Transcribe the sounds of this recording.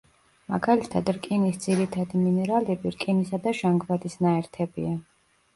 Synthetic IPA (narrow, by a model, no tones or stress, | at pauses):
ma̰ɡalit̪ʰad̪ɾkʼinisd̪ziɾit̪ʰad̪iminɛɾalɛbiɾkʼinisad̪aʃaŋɡvad̪isnaɛɾt̪ʰɛbia